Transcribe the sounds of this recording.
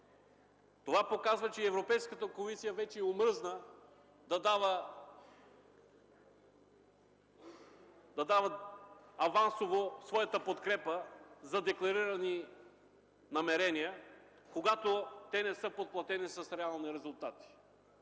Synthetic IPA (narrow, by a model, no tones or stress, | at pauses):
t̪ovapokazvɐt͡ʃɛɛvɾopɛjskət̪əkomisijɐvɛt͡ʃɛɛomɾznə | d̪ɐd̪avə | d̪ɐd̪avət̪ɐvansovosvɔjɐt̪əpot̪kɾɛpəzɐd̪ɛklˠɐɾiɾɐni | nɐmɛɾɛniə | koɡat̪ot̪ɛnɛsɤpot̪̚plˠɐt̪ɛnisɐsɾɛalˠniɾɛzʊlˠt̪at̪i̥